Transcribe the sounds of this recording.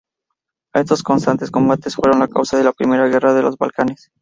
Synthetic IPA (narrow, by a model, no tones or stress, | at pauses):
est̪o̞sko̞nst̪ant̪e̞sko̞mbat̪e̞sfwe̞ɾo̞nlakawsaðe̞lapɾime̞ɾaɣe̞raðe̞lo̞zβa̰lkane̞s